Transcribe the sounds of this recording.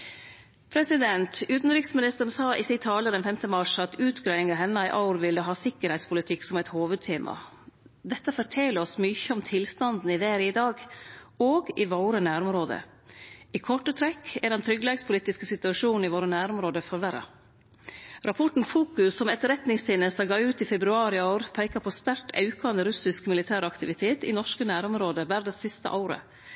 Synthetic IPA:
pʰɾɛsɪd̪ɛnt̪ʉːt̪n̩ɾɪːksmɪnɪst̪əɾn̩sɑːʔɪsit̪ʰɑːləɾd̪ɛnfɛmt̪əmɑʂɑt̪ʉːt̪ɡɾæɪɪŋəɦɛnːæɪʔaʊɾʋɪlːəɦɑːsɪkːəɾhɛɪt̪spʰʊlɪt̪ʰɪksɔmɛɪt̪hoːʋʉd̪̚t̪ʰeːmʔɑ̰ | d̪ɛt̪ːəfɔʈʰɛːləɾɔsmyçəɔmt̪ʰɪlst̪ɑnd̪n̩ɪʋeːɾəɪd̪ɑːɡoːɡɪʋoːɾənæːɾɔmɾoːd̪ə̰ | iːkʰɔʈːət̪ʰɾɛkːɛɖɛnt̪ʰɾʏɡleːɡspʰʊliːt̪ɪskəsɪt̪ʉɑʂuːnnɪʋoːɾənæːɾɔmɾoːd̪əfɔɾʋæɾɑ̰ | ɾʔɑpʰɔʈn̩fuːkʉsːɔmɛt̪ɾɛt̪nɪŋst̪ʰɪnəst̪ɑɡɑːʉːt̪ifɛbɾʉɑːɾɪoʊɾpʰæɪkɑpʰɔːst̪æɾʈʰɑ̰ʉkɑnd̪əɾʉsɪskmɪlɪt̪ʰæːɾɑkt̪ɪʋɪt̪ʰeːt̪ɪ̰nɔʂkənæːɾɔmɾoːd̪əʋæɾd̪ɛssɪst̪ə̰ʔaʊɾə̰

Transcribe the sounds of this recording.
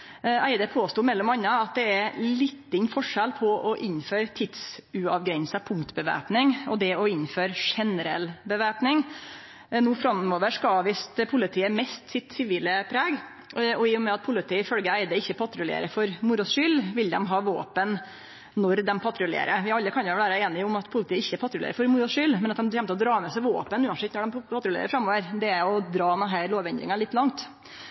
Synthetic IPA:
æɪd̪əpʰoːst̪uːmɛlːɔmɑnːɑɑt̪̚d̪ɛæɾlɪt̪ːɪɲːfɔʂɛlpʰɔʔɔʔɪnːføːɾt̪ʰɪd̪sʉɑʋɡɾɛɲsəpʰʊŋkt̪bəʋæ̰ːpnɪŋɔd̪ɛɔɪnføːɾʂɛnəɾɛlbəʋæːpnɪŋ | nuːfɾɑmoːʋəʂkɑɑːʋiːst̪pʰʊlɪt̪ʰiːəmɛst̪sɪt̪sɪʋiːləpʰɾæːɡ | ɔɪjʊmɛɑt̪̚pʰʊlɪt̪ʰiːəɪfœlɡəæɪd̪əɪçːəpʰɑt̪ɾʉlɪḛːɾəfɔɾmʊɾɔsʂʏlʋɪld̪ɛmɦɑːʋo̰ːpən | nɔɾd̪ɛmpʰɑt̪ɾʊlḛːɾəʋɪɑlːəkʰɑnjʊʋæːɾəeːnɪʊmɑt̪pʰʊlɪt̪ʰiːəɪçːəpʰɑt̪ɾʊlḛːɾəɾfɔɾmʊɾɔsʂʏlmɛnɑt̪̚d̪ɛmçɛmt̪əɔd̪ɾɑːmɛsæɪʋo̰ːpənʉːɑnsɛt̪nɔɖɛmpʰɑt̪ɾʊlḛːɾə̰fɾɑmːoːʋəɾd̪ɛæɔd̪ɾɑːnɛnɦæɾloːʋɛnd̪ɾɪ̰ŋɑlɪt̪ːlɑŋt̪

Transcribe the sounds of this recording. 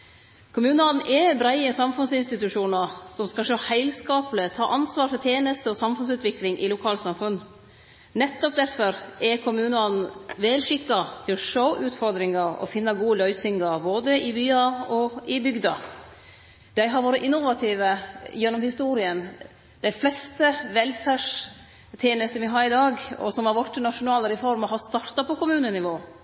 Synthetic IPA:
kʰʊmʉːnəɑn̩ʔɛbɾæɪəsɑmfʉnsɪnst̪ɪt̪ʉʂuːnɑɾsɔmskɑʂoːhæɪlskɑːplət̪ʰɑːʔɑnsʋɑːɾfɔt̪ʰjeːnəst̪əɔsɑmfʉnsʉːt̪ʋɪklɪŋʔɪlʊkʰɑːlt̪sɑmfʉn | nɛt̪ːɔp̚d̪æɾfɔɾɛkʰʊmʉːnəɑn̩ʋɛːlʂɪkːɑt̪ʰɪlɔʂoːʔʉːt̪fɔɾd̪ɾɪŋɑɾɔ̰fɪnːɑɡuːəlœʏsɪŋɑɾboːd̪əɪbyːɑɔɪbʏɡd̪ɑ | d̪̥æɪɦɑɾʋoːɾəʔɪnːʊʋɑt̪ʰiːʋəjɛnːɔmhɪst̪uːɾɪən | d̪̥æɪflɛst̪əʋɛlfæʂ | t̪ʰjeːnəst̪əʋɪɦɑːɾɪd̪ɑːɡɔ̰sɔmhɑɾʋɔʈːənɑʂʊnɑːləɾɛfɔɾmɑɦɑst̪ɑɾt̪ɑpɔkʊmʉːnənɪʋoː

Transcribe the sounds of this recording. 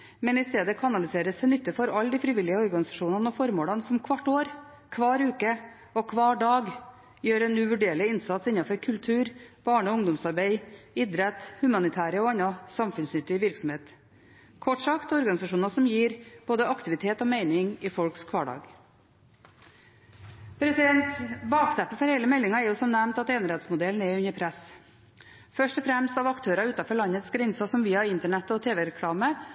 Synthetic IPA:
mɛnɪst̪eːd̪əkʰɑnɑlɪseːɾəsd̪ɛɪnʏt̪ːəfɔɾɑlːd̪iːfɾɪʋɪlɪəɔɾɡɑnɪsɑʂuːnɑnəɔfɔɾmoːlɑnsɔmkʰʋɑʈːoːɾ | kʰʋɑːɾʉːkə | ɔkʰʋɑːɖɑːɡ | jøːɾɛnʉːʋʉɖeːɭɪɪnsɑt̪sɪnːɑfɔɾkʰʉlt̪ʰʉːɾb̥ɑːɳəɔʊŋd̪ʊmsɑɾbeɪɪd̪ɾɛt̪hʉmɑnɪt̪ʰæːɾəɔɑnːɑsɑmfʉnsnʏt̪ːɪʋɪɾksɔm̩heːt̪ | kʰɔʈʂɑkt̪ɔɾɡɑnɪsɑʂuːnɑsɔmjiːɾb̥oːd̪əɑkt̪ɪʋɪt̪ʰeːt̪ɔːmeɪnɪŋɪfɔlkskʰʋɑːɖɑ̰ːɡ | pʰɾɛsɪd̪ɛnt̪bɑːkt̪ʰæpːəfɔɾheɪləmɛlːɪŋɑɛɾjʊsɔmnæmnt̪ɑt̪eːnɾɛt̪smʊd̪ɛln̩ɛʉɲəɾpʰɾɛs | fœʂʈɔfɾɛmst̪ɑʋɑkt̪ʰøːɾɑʉːt̪ɑfɔɭɑnːət̪sɡɾɛɲsɑsɔmʋiːɑɪnt̪əɳɛt̪ːəɔt̪ʰeːʋɛɾɛkʰɽɑːmə

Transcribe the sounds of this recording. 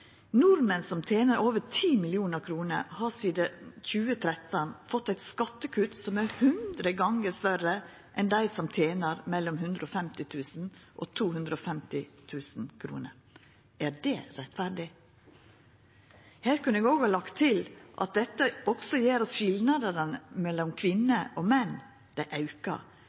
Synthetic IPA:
nʊɾmənsɔmt̪ʰjeːnəɾʔoːʋətʰiːmɪlɪuːnəɾkʰɾuːnə̰ɾhɑːsiːd̪əçʉːət̪ʰɾɛt̪ənfɔt̪ːæɪt̪skɑt̪ːəkʰʉt̪sɔmæɾhʉnd̪ɾəɡɑŋəst̪œɾə | ʔɛnd̪æɪsɔmt̪ʰjeːnəɾmɛlːɔmɦʉnd̪ɾoːfɛmt̪ɪt̪ʰʉːsn̩ʔo̰ːt̪ʰuːhʉnd̪ɾəoːfɛmt̪ɪt̪ʰʉːsn̩kʰɾṵːnə̰ɾ | ʔæɾdɛɾɛt̪fæɾɖɪ | hæːɾkʉnəɛːɡoːɡhɑːlɑkt̪ʰːɪlʔɑ̰t̪̚d̪ɛt̪ːəɔɡsɔjeːɾɔsʃɪlnɑd̪əɾənəmɛlːɔmkʰʋɪnːəʔomɛn | d̪̥æɪʔɑʉkɑ̰

